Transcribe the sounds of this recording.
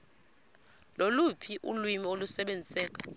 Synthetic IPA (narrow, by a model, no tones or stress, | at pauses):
lolupʰiʔṵlwimiolusɛɓend͡zʱisɛːk̬ʼḁ